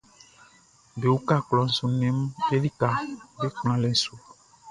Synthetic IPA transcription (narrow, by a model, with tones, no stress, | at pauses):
be˨wu˦ka˦˨klɔ˨n̩˨su˨nɛ̃˨˦m˦ke˦li˦ka˨be˦klã˨lɛ˨˦su˨